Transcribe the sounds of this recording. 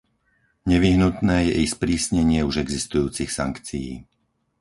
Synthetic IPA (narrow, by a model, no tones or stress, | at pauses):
ɲɛʋiɦnut̪nɛːjɛ̰ʔispɾiːsɲɛɲɪɛuʒɛɡzist̪ujuːt͡sixsa̰ŋkt͡sijḭː